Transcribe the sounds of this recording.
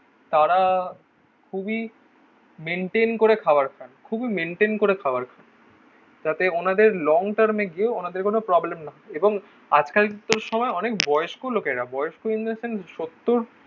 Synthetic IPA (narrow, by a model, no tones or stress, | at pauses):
t̪aɾa | kʰubi | meɳʈenkoɾekʰabaɾkʰankʰubimeɳʈenkoɾekʰabaɾkʰan | d͡ʑat̪eonad̪eɾlɔŋʈaɾmeɡieonad̪eɾkonopɾɔblemnaɦeboŋ | ad͡ʑkalkut̪ːoɾʃɔmɔeɔnekbɔeoʃkolokeɾabɔeoʃkoind̪senʃot̪ːoɾ